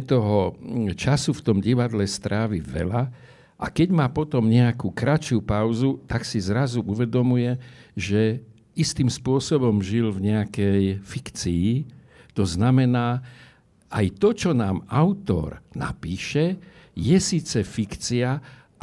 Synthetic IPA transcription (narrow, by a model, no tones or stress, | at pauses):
t̪ɔɦɔt͡ʃasuft̪ɔmɟiʋad̪lɛst̪ɾaːʋiʋɛ̰la | ʔa̰kɛɟmaːpɔt̪ɔmɲɛakuːkɾat͡ʃupaʊzut̪aksizɾazuʔuʋɛd̪ɔmujɛʒɛ | ist̪iːmspʊɔsɔbɔmʒilvɲɛakɛjfikt͡siː | t̪ɔznamɛnaː | ajt̪ɔt͡ʃɔnaːmaʊt̪ɔ̰ɾna̰piːʃɛjɛsiːt͡sɛfikt͡sia